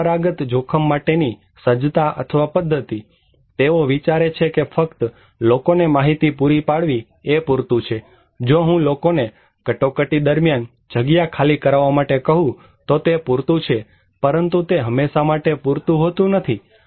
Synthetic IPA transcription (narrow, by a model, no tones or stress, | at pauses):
ɾaɡət̪d͡ʒʱokʰəmːaʈeni | səd͡ʒt̪aʔə̰t̪ʰəʋapəd̪ʱːət̪i | t̪eoʋit͡ʃaɾet͡ʃʰekefəkt̪ | lokonemaɦit̪ipuɾipaɽʋi | epuɾt̪ũt͡ʃʰe | d͡ʒoɦũlokone | kəʈokəʈid̪əɾmjan | d͡ʒʱəɡjakʰalikəɾaʋamaʈekəɦũ | t̪ot̪epuɾt̪ũt͡ʃʰe | pəɾənt̪ut̪eɦəmːeʃamaʈepuɾt̪ũɦot̪ũnət̪ʰi